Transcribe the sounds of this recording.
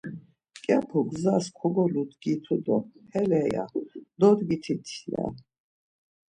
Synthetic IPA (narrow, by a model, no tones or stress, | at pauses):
kʼapʰɔɡzaskʰɔɡɔlud̪ɡit̪ʰɔd̪ɔhɛlɛja̰d̪ɔd̪ɡit̪ʰit̪ʰlɛ̰